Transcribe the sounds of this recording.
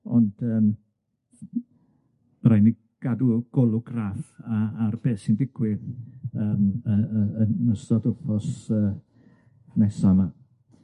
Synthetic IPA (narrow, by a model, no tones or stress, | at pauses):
ɔ̰nd̥əːm | rajni | ɡ̥aduɡ̥ɔlˠʊɡrafaːrb̥eːsindɪɡ̥wɪðəːməəəsdɔdʊpʰɔsəː | nɛsama